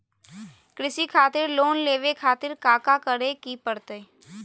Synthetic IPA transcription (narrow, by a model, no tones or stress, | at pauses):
kɾɪsikʰaːt̪ɪɾloːnleːʋekʰaːt̪ɪɾkaːkakəɾekipəɾt̪eː